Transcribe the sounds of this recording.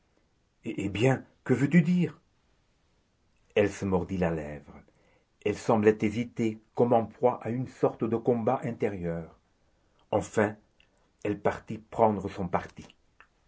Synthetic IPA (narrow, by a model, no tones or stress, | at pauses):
eʔebjɛ̃kəvøt̪yd̪iːʁ | ɛlsəmɔʁd̪ilalɛvʁə | ɛlsɑ̃blɛt̪ezit̪ekɔmɑ̃pχwaʔaynsɔʁt̪əd̪əkɔ̃baʔɛ̃t̪eʁjœːʁ | ɑ̃fɛ̃ | ɛlpaʁt̪ipχɑ̃d̪ʁəsɔ̃paʁt̪i